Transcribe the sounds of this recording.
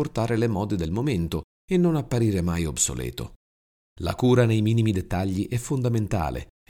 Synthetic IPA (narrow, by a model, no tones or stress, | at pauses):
ort̪aːɾelemɔːd̪ed̪elmoment̪o | enːonapːaɾiːɾemajobso̰lɛ̰ːt̪o̰ | la̰kuːɾanejmiːnimid̪et̪ːaʎːiʔɛfːond̪ament̪a̰ːlḛ